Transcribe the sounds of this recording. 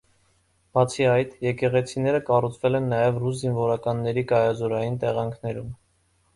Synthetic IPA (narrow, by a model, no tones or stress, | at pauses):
b̥ɑt͡sʰiɑjt̪jɛkɛʁɛt͡sʰinɛɾəkɑrut͡sʰvɛlɛnːɑjɛvrus̬zinvɔɾɑkɑnːɛɾikɑjɑzɔɾɑjint̪ɛʁɑŋkʰnɛɾum